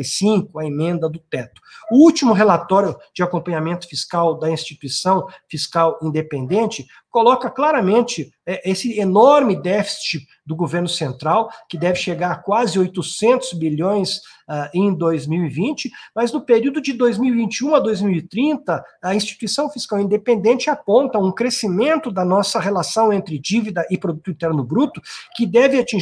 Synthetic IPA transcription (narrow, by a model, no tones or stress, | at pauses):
sĩkʊɐemẽnd̪ɐd̪ʊt̪ɛt̪ʊ̥ʊut͡ʃimʊɦelat̪ɔɾjʊd͡ʒɪakõmpɐ̃ɲamẽnt̪ʊ̥fiskawd̪ɐĩst͡ʃit̪uisɐ̃w̃fiskawĩnd̪epẽnd̪ẽnt͡ʃɪ | kolɔkɐklaɾɐmẽnt͡ʃɪ | ɛʔesɪenɔɾmɪd̪ɛfi̥st͡ʃɪ | d̪ʊɡoveɾnʊsẽnt̪ɾawkɪd̪ɛvɪʃeɡaɾkwazɪojt̪ʊsẽnt̪ʊzbiʎõj̃sɛẽj̃d̪ojzmiwivĩnt͡ʃɪmɐznʊpeɾiuwd̪ʊd͡ʒɪd̪ojzmiwivĩnt͡ʃiũɐd̪ojzmiwɪt̪ɾĩnt̪ɐɐĩst͡ʃi̥t̪uisɐ̃w̃fiskawĩnd̪epẽnd̪ẽnt͡ʃɪapõnt̪ɐũkɾesimẽnt̪ʊd̪ɐnɔsɐɦelasɐ̃w̃ẽnt̪ɾɪd͡ʒivid̪ɐʔɪpɾod̪ut̪ʊĩt̪ɛɾnʊbɾut̪ʊkɪd̪ɛvɪat͡ʃĩ